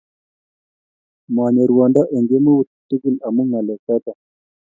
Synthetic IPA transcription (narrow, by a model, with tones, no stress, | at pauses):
mwa˨ɲe˨ɾuwɔ˨nda˦ʔe˨ŋɡe˦mu˦wu˨ttːu˦ki˨la˨mu˦ŋa˨lɛ˨ka˦ta˨